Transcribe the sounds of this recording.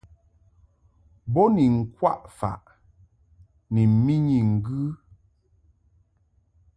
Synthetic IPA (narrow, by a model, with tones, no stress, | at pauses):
bɔ˦ni˨ŋ̩˨kwa˦ʔfa̰˨ʔ | ni˨m̩˨˦mi˦ɲi˨ŋ̩˨ɡʉ˦